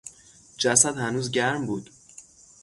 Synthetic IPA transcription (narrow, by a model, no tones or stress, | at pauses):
d͡ʒæsæd̪hænuːzɟæɾmbuːd̪